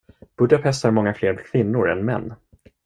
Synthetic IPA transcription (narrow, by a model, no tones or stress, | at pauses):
b̥ɵd̪apʰɛst̪haɾmɔŋːafleːɾkʰvɪnːʊɾɛ̰nmɛ̰nː